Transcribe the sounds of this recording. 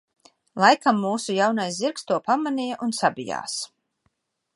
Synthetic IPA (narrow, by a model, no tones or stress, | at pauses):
lˠajkamːuːsujawnajsziɾkst̪uɔpamanʲijaʔunsabija̰ːs